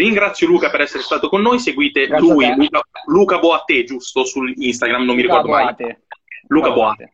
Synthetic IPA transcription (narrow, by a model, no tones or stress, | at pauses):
riŋɡɾat̪sːjoluːkapeɾɛsːeɾest̪aːt̪okonːoːjseɡwiːt̪elujluːkaluːkabɔat̪ːed͡ʒust̪osulinst̪aɡɾamnomːiɾikɔrd̪omaj | luːkabɔa